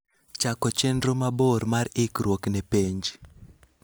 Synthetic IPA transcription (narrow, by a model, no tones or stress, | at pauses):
t͡ʃakɔt͡ʃendromaboɾmaɾɪkrwoknɛpeɲd͡ʒ